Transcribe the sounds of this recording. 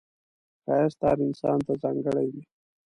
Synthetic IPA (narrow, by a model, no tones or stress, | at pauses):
kɑjast̪ɑɾɪnsɑ̰nt̪azɑŋɡəɽajd̪i